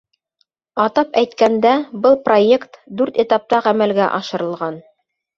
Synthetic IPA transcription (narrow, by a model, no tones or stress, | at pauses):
ɑt̪ɑpæjt̪kænd̪æbɤlˠproe̞kt̪d̪ʉɾt̪et̪ɑp̚t̪ɑʁæmælɡæʔɑʃɤ̆ɾɤ̆lˠʁɑn